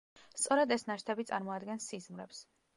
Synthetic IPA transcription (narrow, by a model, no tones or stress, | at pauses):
st̪sʼɔɾad̪ɛsnaʃt̪ʰɛbit̪sʼa̰ɾmɔad̪ɡɛnsizmɾɛps